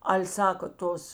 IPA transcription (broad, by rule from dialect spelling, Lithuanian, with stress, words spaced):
ˈɐlʲ ˈsɑːkɐ ˈtoːs